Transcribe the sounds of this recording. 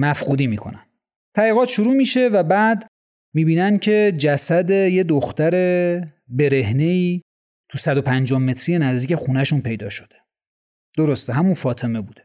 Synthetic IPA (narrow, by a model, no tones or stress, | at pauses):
mæfquːd̪iːmiːkʰo̞̰næm | t̪ʰæɾiɣɒːt̪ʃuɾuːmiːʃe̞væbæːd̪ | miːbiːnæncʰe̞d͡ʒæsæd̪e̞je̞d̪oxt̪æɾe̞ | be̞ɾe̞ɦneiː | t̪ʰusæd̪opʰænd͡ʒɒːhme̞t̪ʰɾije̞næzd̪iːcʰe̞xuːnæʃunpʰe̞jd̪ɒ̰ːʃo̥d̪̥e | d̪̥oɾost̪eɦæmunfɒːt̪ʰe̞me̞buːd̪̥e̞